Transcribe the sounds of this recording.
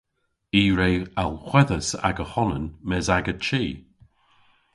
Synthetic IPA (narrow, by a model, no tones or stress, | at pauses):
iːɹeːalˠxwɛðəsa̰ɡəhɔnənmɛzaɡət͡ʃiː